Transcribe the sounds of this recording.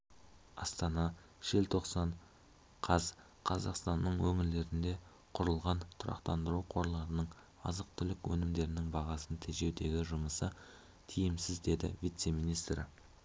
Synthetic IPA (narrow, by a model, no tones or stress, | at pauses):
ɑst̪ɑnɑ | ʒ̥e̞lt̪ʰo̞qsɑɴ | qʰɑz | qʰɑzɑqst̪ɑnːəɴwɵŋɪɾle̞ɾɪnd̪e̞ | qʰʊɾəlˠʁɑnt̪ʰʊɾɑ̰qt̪ɑnd̪əɾuqʰo̞ɾlˠɑɾənəɴ | ɑzəq̚t̪ʰʏlɪkwɵnɪmd̪e̞ɾɪnɪŋbɑʁɑsənt̪ʰeʒe̞wd̪e̞ɡʲɪʒʊməsə | t̪ʰijɪmsɪzd̪e̞d̪ɪ̰vijt̪se̞minijst̪rɪ